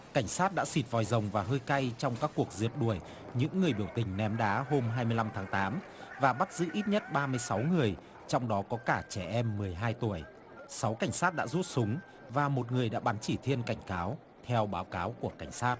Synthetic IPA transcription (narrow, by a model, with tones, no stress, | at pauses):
ka˧˩jŋ̟saː˦˥t̚ɗa̰ː˧˥si˨˩t̚vɔ˨˩jzə˨˩wŋ͡mvaː˨˩ɦəː˧jka˧jt͡ɕɔ˧wŋ͡mkaː˦˥kːu˨˩ək̚zi˨˩əp̚ɗu˧˩əj | ɲɨ̰˧˥ŋːɨ˨˩əjɓi˧˩əwt̪ï˨˩ŋ̟nɛ˨˦mɗaː˨˦ɦo˧mɦaː˧jmɨ˧əjla˧mt̪ʰaː˨˦ŋt̪aː˨˦m | vaː˨˩ɓa˦˥t̚zɨ̰˧˥ʔi˦˥t̚ɲə˦˥t̚ɓaː˧mɨ˧əjsa˨˦wŋɨ˨˩əj | t͡ɕɔ˧wŋ͡mɗɔ˨˦kɔ˨˦kaː˧˩t͡ɕɛ˧˩ʔɛ˧mːɨ˨˩əjɦaː˧jt̪u˧˩əj | sa˨˦wka˧˩jŋ̟saː˦˥t̚ɗa̰ː˧˥zu˦˥t̚sʊ˨˦ŋ͡m | vaː˨˩mo˨˩t̚ŋɨ˨˩əjɗa̰ː˧˥ɓa˨˦nt͡ɕi˧˩t̪ʰi˧ənka˧˩jŋ̟kaː˨˦w | t̪ʰɛ˧wɓaː˨˦wkaː˨˦wku˧˩əka˧˩jŋ̟saː˦˥t̚